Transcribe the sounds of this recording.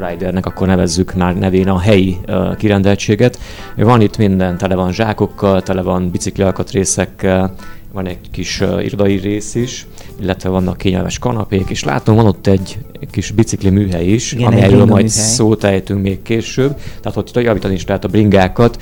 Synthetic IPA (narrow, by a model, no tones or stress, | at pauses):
rajd̪ɛrnɛkɒkːo̞rnɛvɛzːykmaːrnɛveːnɒɦɛjikiɾɛnd̪ɛlt͡ʃeːɡɛt̪vɒnit̪mind̪ɛnt̪ɛlɛvɒnʒaːko̞kːɒlt̪ɛlɛvɒnbit̪sikliɒlkɒt̪reːsɛkːɛl | vɒnɛɟkiʃḭɾo̞d̪ɒjireːsiʃ | ilːɛt̪ʋɛvɒnːɒkːeːɲɛ̰lmɛ̰ʃkɒnɒpeːkeːʃla̰ːt̪omvɒno̞t̪ːɛɟkiʃbit̪siklimyːɦɛiʃɒ̰mijɛjɾøːlmɒjt̪soːt̪ɛjt̪yŋkmeːkkeːʃøbt̪ɛaːt̪hot̪ːt̪jɒviːt̪ɒniiʃlɛɦɛt̪ɒbriŋɡaːkɒt̪